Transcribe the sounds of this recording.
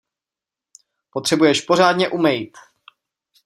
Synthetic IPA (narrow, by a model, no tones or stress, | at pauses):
pot̪r̥ɛbujɛʃpo̞r̝aːd̪ɲɛʔumɛjit̪